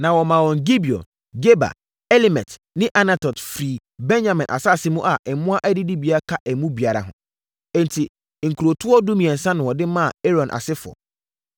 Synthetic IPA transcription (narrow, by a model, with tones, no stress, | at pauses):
nã˨wɔ˨mã˨wɔ̃˨ŋɡi˦bi˨ɔ̰˨n | ɡe˦ba̰˨ | ɛ˦li˦mɛ̰̃˨t | nɪ̃˦ʔa˦na˨tʰɔ˨tfɾiː˨ | bɛ̃˦nd͡ʑã˨mɪ̃˨nʔa̰˨sa˦˨sɪ˦mũ˦ʔa˨ʔɛ˨mʊ̃˦a˦ʔæ˦dɪ˦di˦bi˨a˦kʰa˦ʔɛ˨mũ˦bi˨a˨ɾa̰˨ɦʊ̰̃˨ | ɛ̃˦n˨tʰi˨ | ŋ̩˨kʰu˨ɾo˨tʰʊ˦ɔ˦du˦mĩ˨ɛ̃˨n̩˨sã˦nʊ̃˨wɔ˨dɪ˦mã˦a̰˨e˦ɾɔ̃˨nʔa̰˨sɪ˦fʊ˨ɔ̰˨